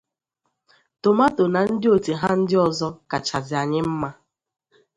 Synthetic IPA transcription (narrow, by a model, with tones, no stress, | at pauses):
to˨ma˦to˨na˨n̩˦dɪ˦o˨ti˨ɦa˦n̩˦dɪ˦ɔ˨zɔ˦ka˨t͡ʃa˨zɪ˨a˨ɲɪ˦m̩˦ma˦